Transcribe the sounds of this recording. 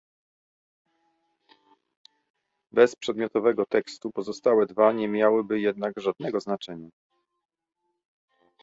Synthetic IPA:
bɛspʂɛd̪mʲjɔt̪ɔvɛɡɔt̪ɛkst̪upɔzɔst̪awɛd̪vaɲɛmʲjawɘbɘjɛd̪̚naɡʐad̪̚nɛɡɔznat͡ʂɛɲa

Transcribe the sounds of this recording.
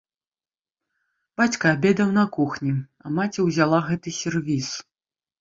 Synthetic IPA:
b̥at͡sʲkɐːbʲɛd̪ɐwnɐkuxnʲi | ɐ̰mat͡sʲɛwzʲalˠaɣɛt̪ɨsʲɛrvʲis

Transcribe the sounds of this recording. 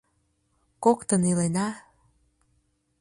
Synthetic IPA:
kokt̪ə̆nilenɑ

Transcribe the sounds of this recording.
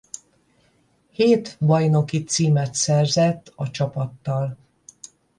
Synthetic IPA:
heːt̪bɒjno̞kit̪siːmɛt̪sɛrzɛt̪ːɒt͡ʃɒpɒt̪ːɒl

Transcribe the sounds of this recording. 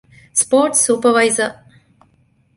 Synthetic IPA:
spoːʈsuːpəʋaɪzə

